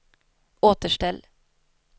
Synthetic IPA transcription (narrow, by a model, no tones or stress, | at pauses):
oːt̪əʃʈɛl